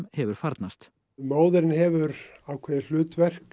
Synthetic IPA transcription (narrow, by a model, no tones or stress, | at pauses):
mhɛvʏɾ̥faɾt̪nast̪ | maːwðɪɾɪnhɛvʏɾawkʰvɛːðɪl̥ʏːt̪vɛr̥k